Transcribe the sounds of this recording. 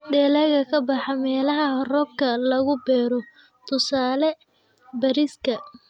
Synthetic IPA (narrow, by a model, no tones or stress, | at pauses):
ɖɛːlɐɣɐkʰɐbɑħɑmɛːlɐɦɐrɔːb̚kʰɐlɐɣʊbɛːɾɔ | t̪ʰʊsaːlɛ | bɐɾɪskʰɐ